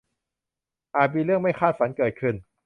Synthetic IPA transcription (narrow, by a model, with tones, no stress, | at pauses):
ʔaː˨˩t̪̚miː˧ɾɯ˥˩əŋma˥˩jxʰaː˥˩t̪̚fa˩˦nkɤː˨˩t̪̚kʰɯ˧˩n